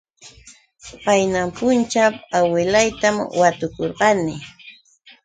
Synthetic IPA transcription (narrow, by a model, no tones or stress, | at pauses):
pajnampʊnt͡ʃapawɪlajt̪amwat̪ʊkoɾɢɑnɪ